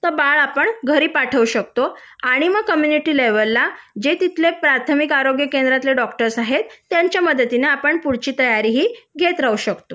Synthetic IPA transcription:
t̪əbaɭapəɳɡʱəɾiːpaʈʰəʋuɕək̚t̪o | aɽ̃iməɡ̚kəmjuniʈiːleʋəlːad͡ʑet̪it̪ʰlepɾat̪ʰəmikaɾoɡjəkend̪ɾat̪leɖɔkʈəɾsaɦet̪ːjãɲt͡ɕjaməd̪ət̪ineapəɳpuɽt͡ɕiːt̪əjaɾiɦiːɡʱet̪ɾauɕəkt̪o

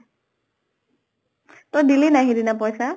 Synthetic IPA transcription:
t̪ɔdilinaɦiɾinap̬ɔjsa

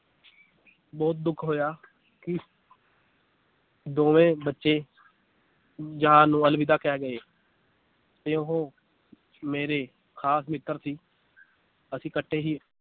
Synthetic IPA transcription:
bɔːt̪̚d̪ʊkʰɦoːjaː | kɪ | d̪oːʋẽːbətːʃeː | d͡ʒəɦãːnũːəlbɪd̪aːkɛːɡəeː | t̪eːʊɦõː | meːɾeː | kʰaːsmɪt̪ːəɾsiː | əsĩːkəʈʰːeːɦiː

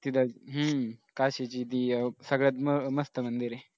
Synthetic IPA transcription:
t̪id̪aɦəkaɕet͡ɕiːt̪̬iːsəɡɭet̪məməst̪əmənd̪iɾe

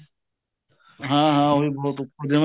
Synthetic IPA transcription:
ɦãːɦãːoɦibɔɦʊt̪ʊpːod̪em

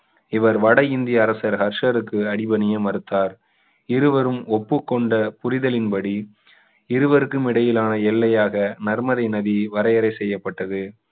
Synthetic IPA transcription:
ɪʋɐɾʋɐɽɐɪnd̪ɪjɐːɾɐsɐɾhɐɾʂɐɾɯkːɯɐɽɪbɐnɪjɐmɐɾɯt̪ːaːɾ | ɪɾɯʋɐɾɯmɔpːɯkːɔɳɖɐpʊɾɪðɐlɪnpɐɽi | ɪɾɯʋɐɾɯkːɯmɪɽɐjɪlaːnɐɛlːɐjaːɣɐnɐɾmɐðɐɪnɐðiʋɐɾɐjɐɾɐɪsɛjːɐpːɐʈːɐðɯ

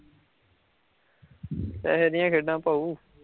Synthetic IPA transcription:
t̪ɛ̰ːɦeɾɪjãːkʰeɖãːpaːuː

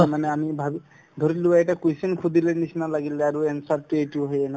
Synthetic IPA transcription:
aɾmanɛamibʱabi | d̪ʱɔɾiluaɛʈakujsinkʰud̪ʱilenisinalaɡilɛaɾuensaɾʈueʈuɦɔjena

